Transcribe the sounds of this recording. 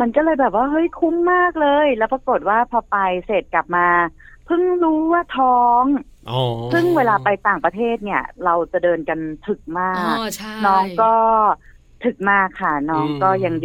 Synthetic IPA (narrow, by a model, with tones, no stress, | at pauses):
ma˧nkɔː˥˩lɤː˧jbɛː˨˩p̬̚waː˥˩ɦɤ˦˥˩jkʰu˦˥mːaː˥˩k̚lɤː˧jlɛː˦˥wpɾa˧ko˨˩t̪̚waː˥˩pʰɔː˧pa˧jseː˨˩t̪̚kla˨˩p̚maː˧ | pʰɯ˥˩ŋɾuː˦˥wa˥˩t̪ʰɔː˦˥ŋ | sʰɯ˥˩ŋweː˧laː˧pa˧jt̪aː˨˩ŋpɾa˧t̪ʰeː˥˩t̪̚ni˥˩ɐɾa˧wt͡ɕa˨˩dɤː˧nka˧nt̪ʰɯ˨˩k̚maː˥˩k̚nɔː˦˥ŋkɔː˥˩ | t̪ʰɯ˨˩k̚maː˥˩kʰːa˥˩nɔː˦˥ŋkɔː˥˩ja˧ŋ